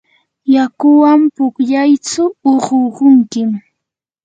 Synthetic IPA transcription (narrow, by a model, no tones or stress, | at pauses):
jakʊwampʊkʎajt͡sʊːɢoɢʊŋkɪm